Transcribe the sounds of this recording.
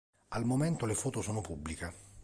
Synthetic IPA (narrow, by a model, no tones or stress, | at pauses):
almoment̪olefɔːt̪osoːnopubːlike